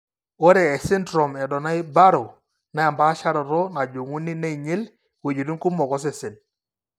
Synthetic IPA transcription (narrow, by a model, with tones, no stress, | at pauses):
o˦ɾɛ˨ɛ˨sɪ˦ndɾɔ˨mɛ˨dɔ˨na˦ɪ˦ba˦ɾo˨ | na˨˦ja˨mba˦ʃa˦ɾɔ˨ɾɔ˦na˨d͡ʒo˨ŋu˦ni˦na˦i˨ɲe˦l | we˨d͡ʒi˨ɾi˦ŋ˦ku˦mɔ˨kɔ˦s̬ɛ˨sɪ˨n